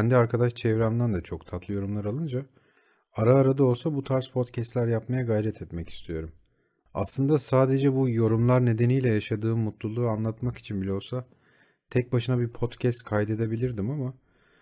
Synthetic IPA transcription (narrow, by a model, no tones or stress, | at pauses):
ænd̪iaɾkʰad̪aʃt͡ʃʰɛvɾæmd̪ænd̪ɛt͡ʃʰo̞kt̪ʰat̪lˠɯjo̞ɾumlˠaɾalˠɯnd͡ʒa | aɾaːɾad̪ao̞lˠsabut̪ʰaɾspʰo̞t̪cʰɛst̪lʲæɾjapmajaɡajɾɛt̪ʰɛt̪mɛci̥st̪ʰijo̞ɾum | a̰slˠɯnd̪asaːd̪e̞d͡ʒɛbujo̞ɾumlˠaɾne̞d̪e̞nijlʲɛjaʃad̪ɯːmut̪lˠulˠuːanlˠat̪maki̥t͡ʃʰinbilʲɛolsa | t̪ʰɛc̚baʃɯnabipʰo̞t̪cʰɛst̪kʰajd̪e̞d̪e̞bilʲiɾd̪imama